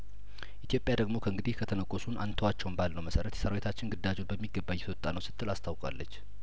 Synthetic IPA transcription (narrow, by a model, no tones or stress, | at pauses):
ʔit̪ʰjo̞pʼːjad̪əɡmo̞kʰəɨŋɡɨd̪ihkʰət̪ʰənəkʼːosunʔant̪ʰəwat͡ʃːɛwnbalnəwməsəɾət̪jɛsəɾawet̪ʰat͡ʃːɪnɡɨd̪ːad͡ʒubəmːiɡːəbːajɛt̪ʰowt̪ʼːanəwsɨ̥t̪ʰːɨlast̪ʰawkʼa̰lːət͡ʃː